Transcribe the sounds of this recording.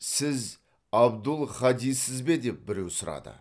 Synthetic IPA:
sɪz | ɑbd̪ʊlˠχɑd̪ijsɪzbe̞d̪e̞p̚bɪɾe̞wsʊɾɑ̰d̪ə̰

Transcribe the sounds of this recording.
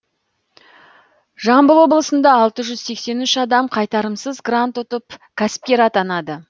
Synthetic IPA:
ʒɑmbəlˠwo̞blˠəsənd̪ɑːlˠt̪əʒʏz̥se̞kse̞nʏʃɑd̪ɑmqʰɑjt̪ɑɾəmsəzɡrant̪ʊt̪əpkʲʰasp̚kʲeɾɑt̪ɑnɑd̪ə

